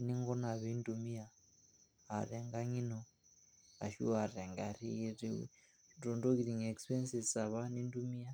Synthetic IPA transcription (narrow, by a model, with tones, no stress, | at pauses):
i˨ni˦ŋɡɔ˦na˨βi˦ndumi˦ja˨ | a˨ɾɛ˨ŋɡa˦ɲi˦nɔ˨ | a̰˨ʃṵ˦a˨ɾɛ˨ŋɡa̰˨ɾi˦˨ɾḭ˨ | ɾɔ˨ndo˦ki˨ɾi˨ŋɛ˨kspɛ˦nsi˨a˨βa˦ni˦ndu˦mi˦a˦